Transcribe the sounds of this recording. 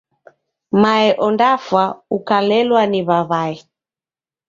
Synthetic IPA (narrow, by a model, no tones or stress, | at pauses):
maɛʔɔndafwaukalɛlwaniβaβaɛ